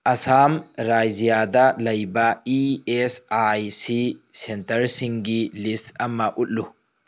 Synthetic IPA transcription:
ʔɐsaːmɾaːjzijaːd̪ɐlɐjbɐiesajsisɛnt̪ɐɾsɪŋɡilistɐmːɐʔʊʔlʊ

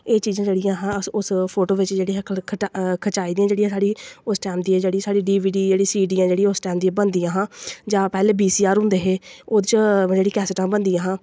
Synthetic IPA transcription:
eːt͡ʃiːzãːd͡ʒeːɽɪjãːɦãːʊspʰoːʈoːʋɪt͡ʃd͡ʒeːɽiːɦɛkʰət͡ʃaːiːd̪iːãːd͡ʒeːɽiːãːsaːɽiːʊsʈɛːmd̪iːɛːd͡ʒeːɽiːsaːɽiːɖiːʋiːɖiːd͡ʒeːɽiːsiːɖiːãːd͡ʒeːɽiaʊsʈɛːmd̪iːɛːbənd̪iːãːɦãːd͡ʒãːpɛːleːbiːsiːaːɾɦʊ̃nd̪eːɦeːoːd̪ɪt͡ʃd͡ʒeːɽiːkɛːsɪʈãːbənd̪ijãːɦãː

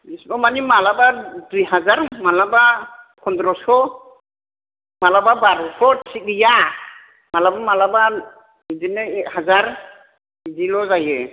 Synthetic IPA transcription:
isbɔmanimalabadujɦazaɾmalaba | kʰɔndɾɔsɔ | malababaɾɔsɔsʰik̚ɾija | malabamalaba | izinɛɛk̚hazaɾ | izilɔzajɛ

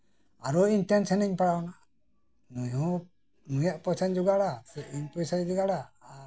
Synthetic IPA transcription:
aɾɔinʈɛnsaniɲpaɽawna | nujɔ̃ | mujaʔpɔsand͡ʒɔɡaɽasɛʔiɲpɔsajd͡ʒɔɡaɽaː

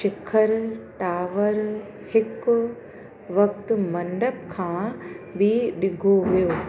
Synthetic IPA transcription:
ʃɪkʰəɾʈaːʋəɾ | hɪk | ʋɐk̚t̪ʊmɐ̃ɳɖəp̚kʰãːbɪɗɪɡʱoʋijoː

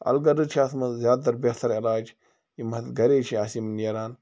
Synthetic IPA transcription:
ɐ̰lɡɐdɨt͡ʃʰiaːt̪ʰmɐzjaːd̪̚t̪ːɐɾbeht̪ʰɐɾilaːd͡ʒ | imɐt̪ɡɐɾeːt͡ʃʰiaːsimnjɐɾaːn

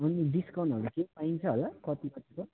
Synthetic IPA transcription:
ʌniɖiskaw̃nʈʌɾukepaint͡sʰʌɦolakʌt̪ipʌt̪ʰiko

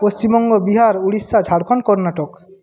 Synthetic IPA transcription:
post͡ɕimɔŋɡobiɦaɾuɽisːad͡ʑʱaɽkʰonkɔɾnaʈok

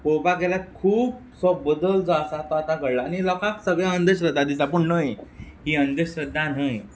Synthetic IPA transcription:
popakeljat̪̚kʰuːb | sɔbːəd̪əld͡zɔasat̪ɔat̪akəɽlaːñilɔkaksəɡɭjãənd̪əɕɾəd̪ãd̪it͡sapəɳnəjɦiːənd̪əɕɾəd̪ʱãnɦə̃

